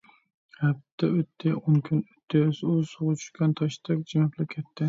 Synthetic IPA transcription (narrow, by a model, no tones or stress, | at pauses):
hɛp̚t̪ʰːɛøt̪ʰːɪoŋkʲʰynøt̪ʰːɪzusoʁʊt͡ʃʰy̥ʃkʲɛnt̪ʰɑʃt̪ɛk̚ʲd͡ʒimɛplɪkʲʰɛt̪ʰːɪ